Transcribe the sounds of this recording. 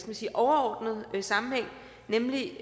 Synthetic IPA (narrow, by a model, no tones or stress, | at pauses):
kɛmænsiːʔɒʊɐɒːd̥nð̩ˠsɑ̈mn̩heŋ̰ | nemli